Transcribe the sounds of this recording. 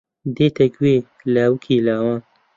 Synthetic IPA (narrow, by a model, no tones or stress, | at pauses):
d̪eːt̪ʰɐɡweː | lawkʰiːlaːwaːn